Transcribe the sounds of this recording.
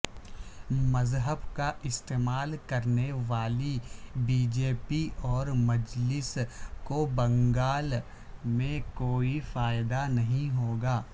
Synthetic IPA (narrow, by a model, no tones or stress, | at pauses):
mɐzɦəbkaʔɪst̪eːmaːlkɐɾneʋaːlibiːd͡ʒeːpiʔɔːɾmɐd͡ʒlɪskobɐ̃ŋɡaːl | mẽkoːifaːɪd̪anɐɦĩɦoːɡaː